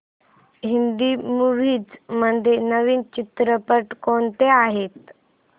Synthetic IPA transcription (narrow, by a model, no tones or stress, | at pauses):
ɦind̪iːmuɾiːd͡zməd̪ʱjenəʋiːnt͡ɕit̪ɾəpəʈkont̪eaɦet̪